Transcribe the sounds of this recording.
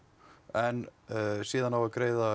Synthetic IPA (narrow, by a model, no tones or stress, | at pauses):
ɛnsiːðanavaɾkɾeːjða